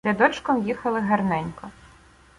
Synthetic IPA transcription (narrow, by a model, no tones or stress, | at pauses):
ɛd̪ɔt͡ʃkɔmjixɐlˠɪɦɐrnɛnʲkɔ